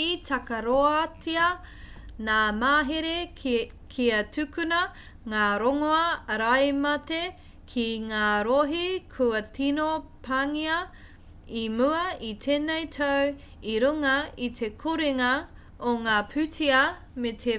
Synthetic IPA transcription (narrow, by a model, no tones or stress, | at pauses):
itɐkɐɾoatiɐ | naːmaːɦeɾekʰiɐtʰʉkʉnɐ | ŋaːɾoŋoɐːɾɐjmɐte | kʰiŋaːɾoɦikʰuɐtʰinopʰaŋiɐ | imuɐitʰeːnejtʰɐw | iɾuŋɐit̪ʰe̞kʰuɾeŋɐ | oŋaːpʰʉtiɐ | metʰe